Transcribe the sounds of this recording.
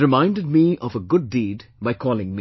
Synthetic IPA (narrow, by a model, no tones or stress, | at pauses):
ɨmãɪ̃ndɨd̚miʌvəɡʊdːiːdbaɪkʰɔːlɪ̃ŋmi